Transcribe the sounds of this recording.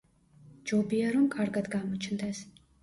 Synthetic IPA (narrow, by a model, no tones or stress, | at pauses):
d͡ʒɔbiaɾɔmkʼaɾɡad̪ɡamɔt͡ʃʰnd̪ɛs